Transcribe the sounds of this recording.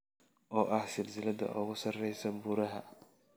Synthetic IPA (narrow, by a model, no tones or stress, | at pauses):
ʔɔːʔɐhsɪlsɪlɐd̪ɐ̰ʔʊɣʊsɐrɛjsɐbʊɾɐɦɐ̰